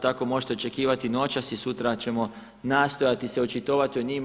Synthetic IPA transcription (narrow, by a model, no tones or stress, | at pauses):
t̪ako̞mo̞ʒet̪e̞o̞t͡ʃe̞kiːʋat̪ino̞t͡ʃasisut̪ɾat͡ɕe̞mo̞ | naːst̪o̞jat̪iseot͡ʃit̪o̞ːʋat̪ioɲim